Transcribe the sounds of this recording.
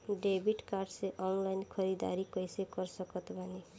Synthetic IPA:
ɖebʱiʈkarɖseʔɔnlajnkʰʌɾid̪a̰ɾikʌjsekʌrsʌkʌt̪bʱʌni

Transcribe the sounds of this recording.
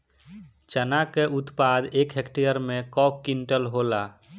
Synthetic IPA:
t͡ʃənakeut̪pad̪ekɦekʈijəɾmekɔkkːinʈəlɦola

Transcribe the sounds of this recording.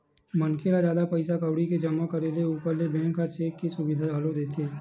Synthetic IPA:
mɐnkʰelazaːd̪apɐɪsakəʋɽiked͡ʒɐmakɐɾeleuːpəɾlebɛ̃ːŋɡkat͡ʃeːkːesʊbɪd̪ʱaɐlod̪eːt̪ʰeː

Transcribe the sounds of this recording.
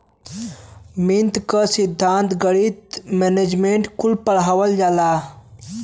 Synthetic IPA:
mint̪kəsid̪ʱːaːnt̪ɡəɽit̪̚mened͡ʒmeɳʈkulpəɽ̤ɦaʋəld͡ʒala

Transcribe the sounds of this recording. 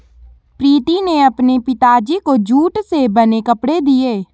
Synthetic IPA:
pɾiːt̪ineəpnepɪt̪aːd͡ʒikod͡ʒuːʈsebənekəpɽed̪ieː

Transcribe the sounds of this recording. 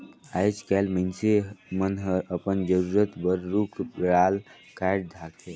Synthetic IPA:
at͡ʃkɛlmənsemənɦəɾəpənd͡ʒəɾuɾət̪bəɾːukʰɾal | kaʈ̚d̪ʱakʰe

